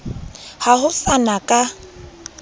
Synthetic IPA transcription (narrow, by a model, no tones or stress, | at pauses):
hahʊfanakʼa